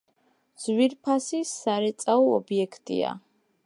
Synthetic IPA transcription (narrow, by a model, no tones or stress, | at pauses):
z̥wiɾpʰasisaɾɛt̪sʼaɔɔbiɛkʰt̪ʼḭa̰